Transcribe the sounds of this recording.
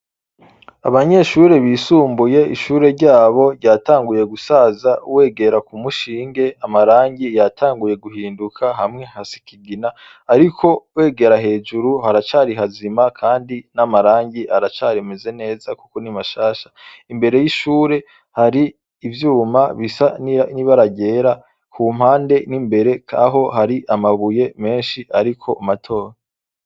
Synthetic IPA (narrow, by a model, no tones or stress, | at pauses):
aβaɲe̞ʃuɾe̞βiːsuːmbuje̞ḭʃuːɾe̞ɾɟaːβo̞ɾɟaːtaːŋɡuje̞ɡusaːzauwe̞ːɡe̞ɾakumuʃiːŋɡe̞amaɾaːɲɟijatʰaːŋɡuje̞ɡuɦiːndukʰaɦamŋe̞hasi̥kiɡinaː | ɾikʰo̞we̞ːɡe̞ɾaɦe̞ːd͡ʒuɾuhaɾat͡ʃaːɾiɦazimakʰaːndinamaɾaːɲɟiʔaɾat͡ʃaːɾe̞meze̞ne̞ːzakukonimaʃaːʃḁ | imbe̞ɾe̞jiʃuːɾe̞ | haɾiː | vjuːmaβisaniniβaɾaɟe̞ːɾa | kʰuːm̥haːnde̞nimbe̞ɾe̞kʰa̰ɦo̞ɦaɾiʔamaβuje̞me̞ːnʃiʔaɾikʰo̞ʔamatʰo̞ːɾa